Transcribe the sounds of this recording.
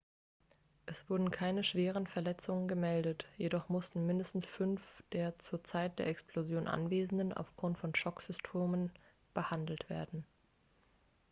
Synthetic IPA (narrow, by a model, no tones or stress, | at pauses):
ʔɛsv̥ʊɐdn̩kʰaɪnəʃv̥eːʁ̞ənfɛɐlɛt͡sʊŋənɡəmɛldətjedɔχmʊstn̩mɪndəstn̩sfʏnfd̥eːɐt͡suːɐt͡saɪt̚d̥eːɐɛkspl̥ozjoːnʔa̰nveːzn̩dənʔa̰ʊfɡ̥ʁʊntfɔnʃɔkz̥ʏstʰoːmən | b̥əhandl̩tv̥eːɐdn̩